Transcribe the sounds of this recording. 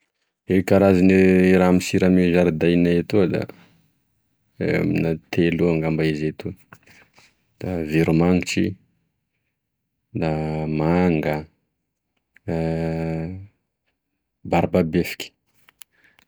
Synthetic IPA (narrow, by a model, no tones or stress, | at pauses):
ekaɾaziniɾamisiɾamezaɾd̪ajnaet̪ud̪a̰ | ḛminat̪ʰeluaŋɡambaizet̪u | d̪̥aviɾumaŋiʈ͡ʂḭ | d̪amaŋɡə | baɾbabefi̥kʲi̥